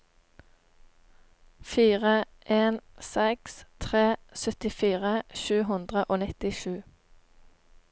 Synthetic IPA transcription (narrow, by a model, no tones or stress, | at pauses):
fiːʁə | ʔeːnsɛkst̪ʰʁeːsœt̪ɪfiːʁəʃʉːɦʉnd̪ʁəʔoːnɪt̪ɪʃʉː